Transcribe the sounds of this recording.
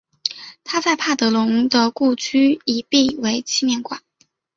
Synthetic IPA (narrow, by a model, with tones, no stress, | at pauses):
t̪ʰa˥t͡sa˥˧ɪpʰa˥˩t̪ɤ˧˥lʊ˧˥ŋd̪ə˧ku˥˩t͡ɕʰy˥i˨˩pi˥˩we˧˥ɪt͡ɕʰi˥mjɛ˥˩nkwa̰˨˩˦n